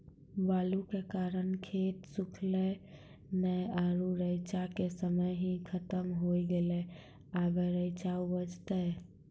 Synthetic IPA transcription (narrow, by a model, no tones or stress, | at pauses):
balukekaɾənkʰet̪sukʰlɛ | nəjaɾuɾəjt͡ʃakesəməjɦĩkʰət̪əmɦojɡelɛ | abeɾəɪt͡ʃaubəd͡ʒt̪ə